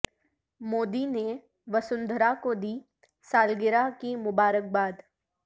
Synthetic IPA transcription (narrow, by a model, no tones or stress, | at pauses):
moːd̪ine | ʋɐsʊ̃nd̪ʱɾakod̪iː | saːlɡɪɾakimʊbaːɾək̚baːd̪